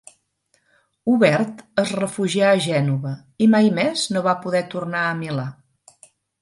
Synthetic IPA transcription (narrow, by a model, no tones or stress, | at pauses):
uβɛɾt̪əzrəfuʒiaəʒɛnuβə | imajmɛznoβapuðɛt̪urnaəmila